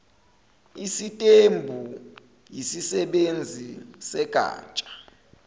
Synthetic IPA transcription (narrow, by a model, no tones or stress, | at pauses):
isitʼembʱu | jisisɛɓend͡zʱisɛɡ̥ʱa̰ːt͡ʃʼḁ